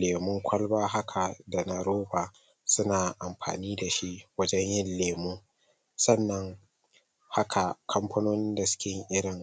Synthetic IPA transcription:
leː˨mʊ˦ŋkʷʰɐ˦lbaː˦ɦa˦kʰa˨da˨na˨ɾoː˦baː˨ | sʊ˦naː˨ʔa˨mɸa̰ː˨niː˦da˨ʃi˦ʔwɐ˦d͡ʒɛ˦ɲjɪ˦nleː˨mu˦ | sɐ˦nːɐ˨ŋ | ha˦kʰa˨kʰɐ˦mɸʰɐ˦noː˦nɪ˦nda˨sʊ̥˦kʲɪ˦ŋʔɪ˦ɽɪ˨ŋ

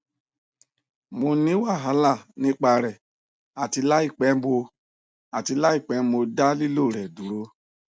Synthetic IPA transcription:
mo˧nĩ˦wa˦˨ɦa˨˧˦la˦˨nĩ˦k͡pa˧ɾɛ˨ | a˨ti˧la˦i˦˨k͡pɛ˨˦bo˧ | a˨ti˧la˦i˦˨k͡pɛ˨˦mo˧da˦li˦lo˦˨ɾɛ˨du˨ɾo˧˦

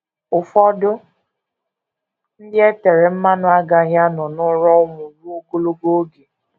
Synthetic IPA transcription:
ʊ˨fɔ˦dʊ˦ | n̩˦dɪ˦e˦te˨ɾe˨m̩˦ma˦nʊ˦a˦ɡa˦ɦja˦nɔ˨nʊ˦ɾɔ˦ʊ˦mʊ˨ɾu˦o˦ɡo˦lo˦ɡo˦ɡe˨

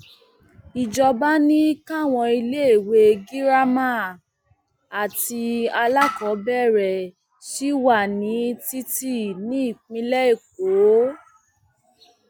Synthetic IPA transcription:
i˨d͡ʒɔ˧ba˦nĩ˦ka˦˨w̃ɔ̃˧i˧le˦e˦˨we˧ɡi˦ɾa˦mã˦˨ | a˨ti˧a˧la˦kɔ˨˦bɛ˦˨ɾɛ˨ | ʃi˦wa˦˨nĩ˨˦ti˦ti˦˨nĩ˨˦i˦˨k͡pĩ˧lɛ˦e˦˨k̚o˨˦

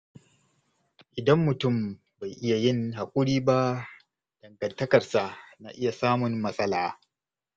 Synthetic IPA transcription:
ʔɪ˨dɐ˦mːʊ˨tʊ˦˨m | ba˨jʔɪ˦ja˨jɪ˦nɦa˨kʷʼʊ˦ɽiː˦ba˦ | d̥ɐ˨ŋɡɐ˨ntɐ˦kɐ˨rsa˨ʔna̰˨ʔɪ˦ja˨saː˦mʊ˨nːɐ˦sʼɐ˦laː˨

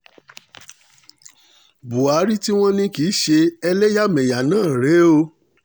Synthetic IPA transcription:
bu˨a˨˦ɾi˦ti˦w̃ɔ̃˦nĩ˧ki˨˦ʃe˧ɛ˧lɛ˦ja˦mɛ̃˨ja˨nãː˦˨ɾe˨˦o˧

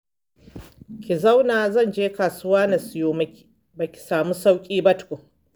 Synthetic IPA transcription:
kʲi˨za˦wnaː˨zɐ˦˨nd͡ʒeː˦kaː˨sʊ˦waː˦na˨sʊ˨joː˦mɐ˦kʲi̥˨ | ba˨kʲi̥˨saː˨mu˦sa˦wkʲʼiː˦bɐ˦tkʷo˨

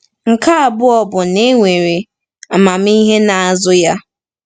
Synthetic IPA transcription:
ŋ̩˨kʰa˦a˨bʊ˦ɔ˨bʊ˨ne˦ŋʷe˨ɾe˨ | a˨mã˨m˦i˦ɦe˦na˨a˨zʊ˦ja˦

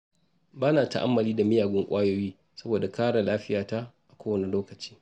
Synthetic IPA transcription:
baː˦naː˨ta̰˦ʔa̰˦mːɐ˨liː˦da˨mɪ˦jaː˨ɡʷʊ˦ŋkʷʼaː˦joː˦jiː˦ | sɐ˦boː˨da˨kaː˦ɽa˨laː˦ɸɪ˦jaː˨ta˦ʔa˨kʷoː˦wɐ˨ne˨loː˦kɐ˨t͡ʃi̥ː˦

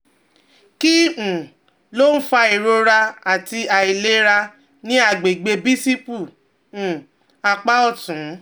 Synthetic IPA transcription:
ki˦˨ũ˨ | lo˦n̩˦fa˧i˨ɾo˧ɾa˧a˨ti˧a˨i˨le˦ɾa˧ | nĩ˦a˦˨ɡ͡be˨ɡ͡be˧bi˦si˦pu˦˨ | ũ˨ | a˧k͡pa˦ɔ˦˨tũ˨˦

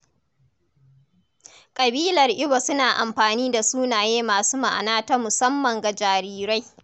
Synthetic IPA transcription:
kʼɐ˨biː˦lɐ˨rʔɪ˦ba˨sʊ˦naː˨ʔa˨mɸaː˨niː˦da˨suː˦naː˨jeː˦maː˨suː˦ma˨ʔa̰˨naː˦ta˦mʊ˨sɐ˦mːɐ˨ŋɡa˨d͡ʒaː˨ɾiː˨ɾa˦j

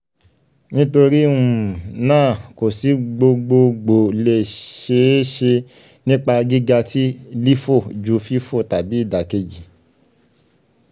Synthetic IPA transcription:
nĩ˦to˧ɾi˦ũ˨nãː˦˨ko˨si˨˦ɡ͡bo˧ɡ͡bo˧ɡ͡bo˨le˧˨ʃe˧˦ʃe˧ | nĩ˦k͡pa˧ɡi˦ɡa˧ti˦li˦fo˦˨d͡ʒu˨˧fi˦fo˦˨ta˨bi˨˦i˦˨da˨ke˧d͡ʒi˨

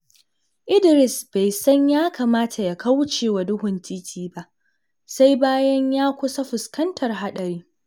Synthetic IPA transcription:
ʔɪ˦dɪ˨ɾɪ˨sb̥a˨jsɐ˦ɲjaː˦kaː˨maː˦tʰa˨ja˨ka˦wt͡ʃeː˨wa˨dʊ˦ɦʊ˨ntʰiː˦tʲʰiː˦ba˦ʔ | sa˦jbaː˦jɐ˦ɲjaː˦kʷʊ˦sa˦ɸʊ˨skɐ˦ntʰɐ˨rɦa˦ɗɐ˨ɾiː˦

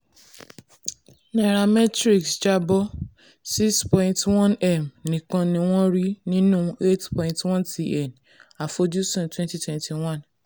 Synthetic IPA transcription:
nɛ˨ɾa˨mɛ˦tɾi˦˨ksd͡ʒa˦bɔ˦ | si˦kspɔ̃˧ĩntwɔ̃˦nɛ˦˨mnĩ˨kã˧nĩ˧w̃ɔ̃˦ɾi˦nĩ˦nũ˦˨e˦tpɔ̃˧ĩ˧ntwɔ̃˦nti˨ɛ˨n | a˨fo˧d͡ʒu˦sũ˦˨twɛ̃˦nti˦twɛ̃˨nti˨w̃ɔ̃˦˨n

